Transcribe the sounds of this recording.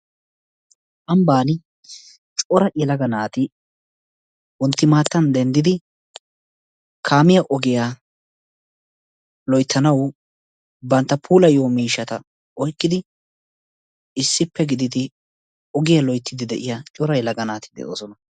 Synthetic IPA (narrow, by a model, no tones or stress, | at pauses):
ʔɐmbaːn | t͡ʃʼɔɾɐʔɛlɐɡɐnaːt̪ɪ | wɔnt̪ːɪmaːt̪ːɐnd̪ɛnd̪ɪd̪ɪ | kʰaːmɪjɐʔɔɡɪja | lɔjt̪ʰːɐnɐw | bɐnt̪ːɐpʰuːlɐjoːmiːʃːɐt̪ɐ̰ | ɔjkʼːɪd̪ɪ | ɪsːɪpːɛɡɪd̪ɪd̪ɪ | ɔɡɪjɐlɔjt̪ʰːɪd̪ɪd̪ɛʔɪjat͡ʃʼɔɾɐjɛlɐɡɐnaːt̪ɪd̪ɛ̰ʔo̰ːsɔnɐ